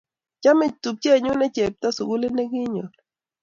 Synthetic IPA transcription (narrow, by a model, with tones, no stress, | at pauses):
t͡ʃa˦mɪ˨t͡ʃt̪u˨p̚t͡ʃe˦˨ɲu˦nɛ˦t͡ʃe˨p̚t̪a˦su˨ɡu˦le˦ne˦ɡɪ˦ɲo˨